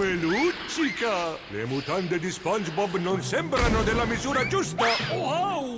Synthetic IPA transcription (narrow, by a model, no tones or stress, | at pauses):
elut͡ʃd͡ʒika | lḛmut̪and̪ed̪ispansbɔbnonsɛmbɾanod̪elamizuːɾad͡ʒust̪aaw